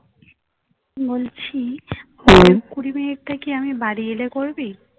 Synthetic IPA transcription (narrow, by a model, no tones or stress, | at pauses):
bolt͡ɕʰibɔeɾkuɾimeeʈ̚ʈakiamibaɾielekoɾbi